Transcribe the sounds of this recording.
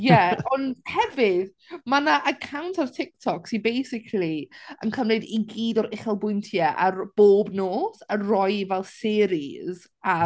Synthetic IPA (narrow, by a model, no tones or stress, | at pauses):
jɛɔnhɛvɪð | manaʔəkʰawntʰartʰɪk̚tʰɔksibejsɪkʰliə̰nkʰəmlɨdiɡiːdɔɾɪχɛlˠbʊjntʰjaʔarb̥oːbnoːsarɔjvɛlˠsɪːɾiz̥ | a